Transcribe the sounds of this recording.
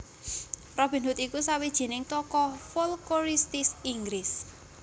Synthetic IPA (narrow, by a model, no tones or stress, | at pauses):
rɔb̥i̤nɦʊt̪ikusawid̥ʒ̥i̤nɪŋt̪ɔkɔfolkoɾist̪isiŋɡɾɪs